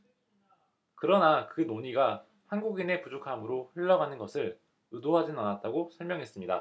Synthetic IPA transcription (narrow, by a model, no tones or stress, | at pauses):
kɯɾʌnakɯnoɲiɡa | hanɡuɡine̞pud͡ʑokʰamɯɾoɸɯɭːʌɡanɯnɡʌsʰɯɭ | ɯdoɦad͡ʑinɯnanat̚t͈aɡosʰʌɭmʲjʌŋɦe̞s͈ɯmɲida̰